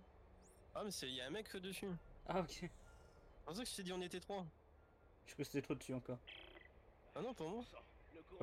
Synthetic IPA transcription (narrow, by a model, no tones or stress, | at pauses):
amɛsɛjaɛ̃mɛkːəd̪əsyaokʲe | pɑʁs̬ɛ̃kəsy̥sed̪iɔ̃net̪ɛt̪χwa | ʒ̥kəse̥t̪ɛt̪χod̪əsyɑ̃kɔʁ | anɔ̃puʁmwa